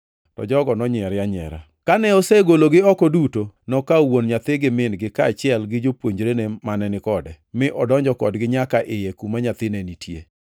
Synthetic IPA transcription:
tɔ̰d͡ʒɔɡɔnɔɲɪɛɾjaɲɛ̰ɾa̰ | kanɛɔseɡoloɡɪɔkɔdutonɔkawonɲat̪ɪɡɪmɪnɡɪkat͡ʃɪɛlɡɪd͡ʒopwoɲd͡ʒɾenemanɛnɪkɔdɛ | mɪʔɔdɔɲd͡ʒɔkɔ̰dɡɪɲakaʔɪjekumaɲat̪ɪnenitjḛ

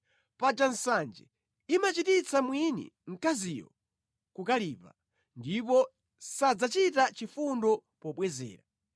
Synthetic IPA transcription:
pad͡ʒan̩sand͡ʒɛ̰ | imat͡ʃitit͡sʰamwinḭŋ̩kazijɔ̰ | kukaliːpa̰ | ndip̬ɔ | sad͡zat͡ʃitat͡ʃifundɔpɔɓwɛzɛ̰ːɾa̰

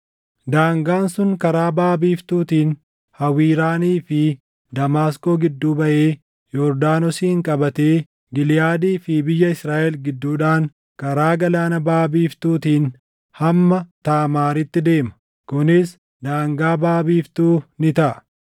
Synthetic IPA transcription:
d̪aːŋɡaːnsʊŋkɐɾaːbaːbiːft̪uːt̪iːn | hɐwiːɾaːniːfɪ | d̪ɐmaːsko̞ːɡɪd̪ːuːbɐʔeː | jɔɾd̪aːnɔsiːɪŋkʼɐbɐt̪e̞ː | ɡɪlɪjaːd̪iːfɪbɪjːɐɪsɾaːʔɛlɡɪd̪ːuːᶑaːŋ | kɐɾaːɡɐlaːnɐbaːbiːft̪uːt̪iːn | hɐmːɐt̪aːmaːɾɪt̪ːɪd̪e̞ːmɐ̥ | kʊnɪs | d̪aːŋɡaːbaːbiːft̪uːnɪt̪ɐʔɐ

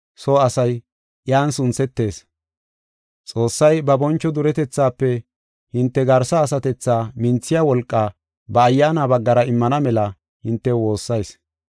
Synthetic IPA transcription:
soɐsɐj | ʔjaːnsʊnt͡sːɛt̪ːe̞ːs | t͡sʼo̞ːsːɐjbɐbɔnt͡ʃːɔd̪ʊɾɛt̪ɛt͡sːaːpːɛ | hɪnt̪ːɛɡɐɾsɐːsɐt̪ɛt͡sːaːmɪnt͡sːɪjawɔlkʼːaː | bɐːjːaːnaːbɐɡːɐɾɐɪmːɐnɐmɛlɐ | hɪnt̪ːɛwo̞ːsːɐjs

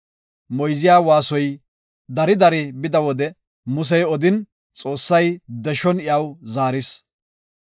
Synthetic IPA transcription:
mɔjzɪjaːwaːsɔj | d̪ɐɾɪd̪ɐɾɪbɪd̪ɐwɔd̪ɛ | mʊs̬ɛjɔd̪ɪn | t͡sʼo̞ːsːɐjd̪ɛʃɔnɪjɐwzaːɾɪs

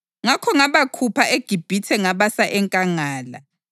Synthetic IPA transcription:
ŋakʰɔŋaβakʰupʰaʔeɡ̥ʱib̥ʱitʰɛŋaβasaʔɛŋkʼaŋaːla̰

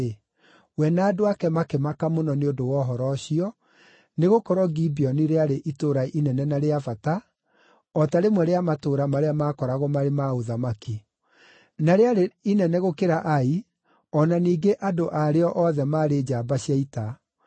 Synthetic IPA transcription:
wɛnaːdoakɛmakɛmakamonɔneodowɔːɦɔɾɔɕiɔ | neɣokɔɾwɔɡibiɔniɾeaɾeʔitoɾaʔinɛnɛnaɾeafata | ɔtaɾemwɛɾeamatoːɾamaɾeamaːkɔɾaɣɔmaɾemaoðamaki | naɾeaɾeinɛnɛɣokeɾaʔai | ɔnaniːɡeʔadoʔaɾeɔʔɔðɛmaːɾed͡ʒaːbaɕiaita

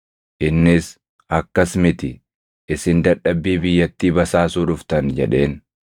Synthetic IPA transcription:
ʔɪnːɪs | ʔɐkːɐsmɪt̪ɪ | ɪsɪnd̪ɐᶑɐbːiːbɪjːɐt̪ːiːbɐsaːsuːᶑʊft̪ɐnd͡ʒɛᶑe̞ːn

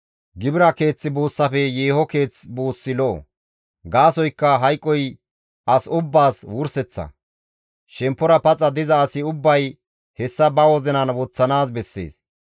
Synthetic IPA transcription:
ɡɪbɪɾɐke̞ːt͡sːɪbuːsːɐfɛjeːhɔke̞ːt͡sbuːsːɪlɔʔɔ̰ | ɡaːsɔjkːɐɦɐjkʼːɔj | ʔɐsʊbːaːswʊɾsɛt͡sːɐ̰ | ʃɛmpːɔɾɐpɐt͡sʼːɐd̪ɪzɐːsɪʊbːɐj | hɛsːɐbɐwɔzɛnɐnwɔt͡sːɐnaːsbɛsːe̞̰ːs

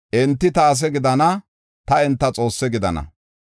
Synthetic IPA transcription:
ʔɛnt̪ːɪt̪ɐːs̬ɛɡɪd̪ɐnɐ | t̪ɐɪnt̪ːɐt͡sʼo̞ːsːɛɡɪd̪ɐ̰nɐ̰

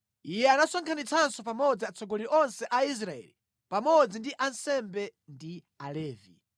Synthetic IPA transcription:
ijɛanasɔŋkʰanit͡sʰansɔp̬amɔd͡ziat͡sʰɔɡɔliʔɔnsɛʔais̬ɾaɛ̰li | pamɔd͡zindiʔansɛmbɛndi | alɛːvḭ

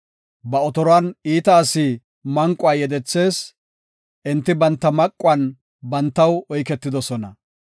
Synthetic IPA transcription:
bɐɔt̪ɔɾɔɐniːt̪ɐːsiː | mɐŋkʼʊaːjɛd̪ɛt͡sːe̞ːs | ʔɪnt̪ːɪbɐnt̪ːɐmɐkʼːʊɐn | bɐnt̪ːɐwɔjkɛt̪ːɪd̪ɔsɔnɐ

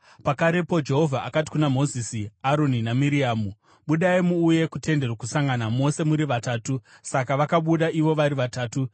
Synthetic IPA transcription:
pakaɾe̞po̞d͡ʒe̞ɦo̞vʱaʔakati̥kunamo̞zisiaɾo̞ninamiɾiaːmu | ɓuɗaimuːje̞kutʰe̞nde̞rwakusaŋɡanamo̞se̞muɾiʋataːtusakaʋakaɓuɗaʔiʋo̞ʋaɾiʋataːtu

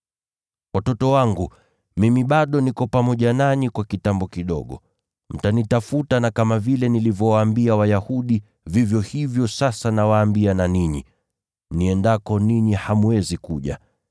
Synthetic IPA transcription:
watɔtɔwaŋɡu | mimiɓaɗɔnikɔpamɔʄanaɲikwakitambɔkiɗɔ̰ɠɔ̰ | m̩tanitafutanakamavilɛnilivjɔwaːmbiawajahuɗi | vivjɔhivjɔsasanawaːmbiananiɲḭ | niɛndakɔniɲihamuwɛzikuʄa̰

